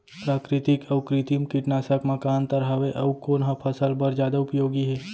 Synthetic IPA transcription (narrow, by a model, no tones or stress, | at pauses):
pɾaːkɾɪt̪ɪkɐʊkɾɪt̪imkɪʈnaːsəkmɐkaːnt̪ɐɾɦaʋeʔɐwkoːnɦəpʰɐsəlbəɾd͡ʒjaːd̪aʊpjoːɡiɦɛː